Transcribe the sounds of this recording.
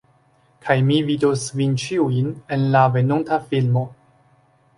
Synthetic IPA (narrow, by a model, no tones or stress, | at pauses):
kʰajmividosvint͡ʃiuine̞nlave̞nuntafilmo̞